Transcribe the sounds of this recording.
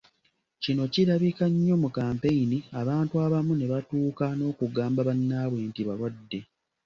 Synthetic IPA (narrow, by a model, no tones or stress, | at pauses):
cino̞ciɾaβikaɲːo̞mukaːmpe̞iniaβaːntuaβamune̞βatuːkano̞ːkuɡaːmbaβanːaːβweːntiβalwadːe̞